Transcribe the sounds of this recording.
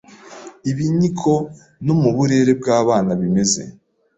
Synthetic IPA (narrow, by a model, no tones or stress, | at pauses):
iβiɲikʰo̞ | nomuβuɾe̞ɾe̞b̚ɡaːβaːnaβime̞ze̞̰